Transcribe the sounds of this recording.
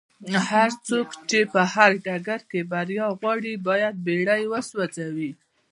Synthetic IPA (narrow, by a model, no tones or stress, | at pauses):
haɾt͡sokt͡ʃepəhaɾɖaɡaɾkebaɾjɑɣwɑɽibɑjad̪̚beɽajwəswad͡zawi